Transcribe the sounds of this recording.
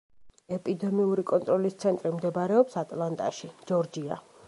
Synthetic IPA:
ɛpʼid̪ɛmiuɾikʼɔnt̪ʼɾɔlist̪sʰɛnt̪ʼɾimd̪ɛbaɾɛɔpsat̪ʼlˠant̪ʼa̰ʃid͡ʒɔɾd͡ʒia̰

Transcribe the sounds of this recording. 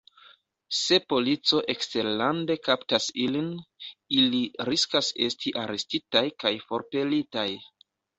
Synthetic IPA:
se̞po̞lit͡so̞ʔe̞kste̞ɾlande̞kaptasiliniliɾiskase̞stiʔaɾe̞stitajkajfo̞ɾpe̞litaj

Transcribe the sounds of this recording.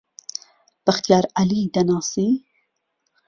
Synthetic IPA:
b̥ɐxt̪ijɑːɾalid̪ɐnɑːsi

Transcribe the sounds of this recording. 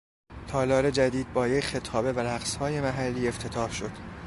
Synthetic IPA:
t̪ʰɒːlɒːɾe̞d͡ʒæd̪iːd̪̚bɒːjecxe̞t̪ʰɒːbe̞væɾæɣshɒːje̞mæɦælːiːe̞ft̪ʰe̞t̪ʰɒːhʃo̞d̪̥

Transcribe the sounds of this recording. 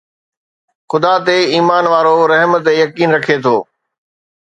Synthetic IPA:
xʊd̪at̪eiːmaːnʋaːɾoɾɐɦmt̪̬ejɐkiːnɾɐkʰet̪ʰoː

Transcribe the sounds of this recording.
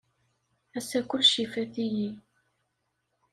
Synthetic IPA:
æsækʷːʊlʃifæθiji

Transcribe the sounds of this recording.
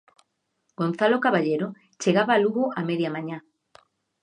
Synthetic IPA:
ɡ̥on̟θalokaβaʎeɾo | t͡ʃeɣaβaːluɣoameðjamãɲã

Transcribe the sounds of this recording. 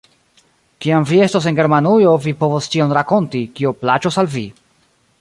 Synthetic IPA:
kiamvie̞stos̬enɡe̞ɾmanujo̞vipo̞vost͡ʃio̞nɾako̞ntikio̞plat͡ʃosalvi

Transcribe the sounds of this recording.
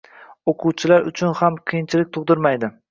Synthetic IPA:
oqʰuwt͡ʃʰɪlaɾʊ̰t͡ʃʰʊnhamqʰɨjɪnt͡ʃʰɪlɪk̚ʲt̪ʰʊʁd̪ɪɾmajd̪ɪ

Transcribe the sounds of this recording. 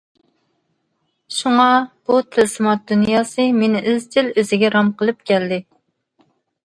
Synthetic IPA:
ʃuŋɑb̥ut̪ʰɨlsɨmɑt̪̚d̪unjɑːsɨmenɪʔøzt̪ʰɪløzɪɡʲɛɾɑmqəlˠɨp̚kʲʰɛld̪ɪ

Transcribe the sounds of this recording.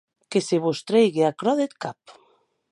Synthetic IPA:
keseβost̪ɾejɣeakɾɔðet̪kap

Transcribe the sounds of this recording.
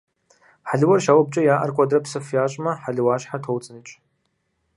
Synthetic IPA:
ħaɮwɐrʃaːwɐb̚t͡ʃʼɐjaːʔa̰rkʷʼadrɐpsɨfjaːɕʼmɐħaɮwaːɕħatʰowt͡sʼɨnɨt͡ʃʼ

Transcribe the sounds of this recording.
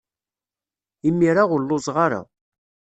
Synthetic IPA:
imːiɾaʁʊlːʊzʁaɾa̰

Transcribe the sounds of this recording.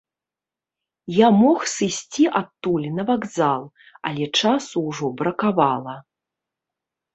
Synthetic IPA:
jamɔxsɨsʲt͡sʲiʔat̪ːulʲnɐvaɡzalˠ | a̰lʲɛt͡ʂasuwʐɔbɾɐkavalˠɐ

